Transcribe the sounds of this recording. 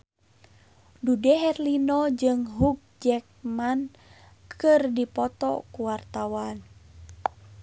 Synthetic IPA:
dudɛɦɛrlinɔd͡ʒɨŋɦuk̚d͡ʒɛk̚man | kʰɨrdipɔt̪ɔ̰kuwart̪awan

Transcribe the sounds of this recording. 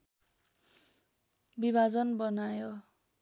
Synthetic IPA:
bibʱad͡zʌnbʌnajo

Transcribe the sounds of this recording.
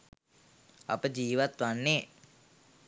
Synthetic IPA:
a̰pəd͡ʒiːʋat̪ʋanːe

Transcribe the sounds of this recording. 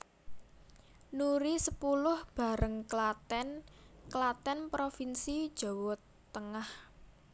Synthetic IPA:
nuɾisəpulʊhb̥a̤ɾəŋklat̪ɛnklat̪ɛnpɾofinsid̥ʒ̥ɔ̤wɔt̪ːəŋah

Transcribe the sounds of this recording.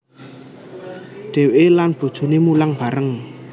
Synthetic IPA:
ɖ̥ɛ̤weʔelanb̥o̤d̥ʒ̥ṳnemulaŋb̥ä̤ɾəŋ

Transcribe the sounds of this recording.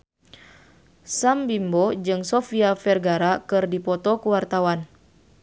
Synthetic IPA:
sambimbɔd͡ʒɨŋsɔfiafɛrɡaɾakɨrdipɔt̪ɔkuwart̪awan

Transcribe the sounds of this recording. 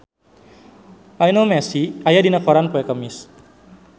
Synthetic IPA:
ʔajnomɛsiajadinakɔɾanpɔɛkəmis

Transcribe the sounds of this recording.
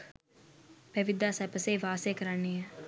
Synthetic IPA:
pæʋid̪aːsɛpəsejʋaːsekəɾanːejə

